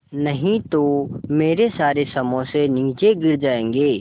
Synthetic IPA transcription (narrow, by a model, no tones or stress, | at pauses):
nɐɦĩt̪omeːɾesaːɾesɐmõseniːt͡ʃeɡɪɾd͡ʒaːẽːŋɡeː